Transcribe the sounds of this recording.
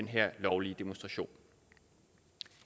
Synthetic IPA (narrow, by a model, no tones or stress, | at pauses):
enɦḛɐ̰lɒʊliəd̥emonsd̥ʁɑ̈ɕo̝̰ːn